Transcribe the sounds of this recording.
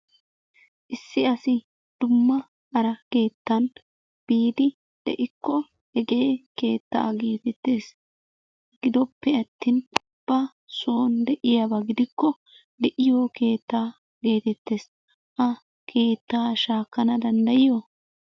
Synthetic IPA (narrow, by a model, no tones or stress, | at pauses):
ʔɪsːɪɐsɪ | d̪̥ʊmːɐ | ɐɾɐke̞ːt̪ːɐn | b̥iːd̪ɪ | d̪̥ɛ̰ʔɪkːɔ | hɛɡe̞ːke̞ːt̪ːa̰ːɡe̞ːt̪ɛt̪ːe̞ːs | ɡɪd̪ɔpːɛɐt̪ːɪn | b̥ɐ | soːnd̪ɛʔɪjabɐɡɪd̪ɪkːɔ | d̪ɛʔɪjoːke̞ːt̪ːaː | ɡe̞ːt̪ɛt̪ːe̞ːs | ʔɐ | kʰe̞ːt̪ːaːʃaːkːɐnɐd̪ɐnd̪ɐjɪjo